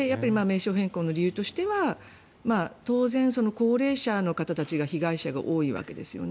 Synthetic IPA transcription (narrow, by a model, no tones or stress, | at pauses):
ejapːaɾʲimaːme̞ːɕo̞ːɦẽ̞ŋko̞ːno̞ɾʲijɯ̟ːt̪o̞ɕi̥t̪e̞βa | maːt̪o̞ːzẽ̞ɰ̃so̞no̞ko̞ːɾe̞ːɕano̞kat̪at̪at͡ɕiɡaçiɡaiɕaɡa̰ʔo̞ːiβa̰ke̞d̪e̞̰sɨjo̰n